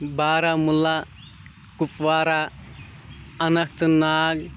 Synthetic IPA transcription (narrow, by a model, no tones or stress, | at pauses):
baːɾamula | kupʋaːɾa | ɐnɐkʰt̪naːɡ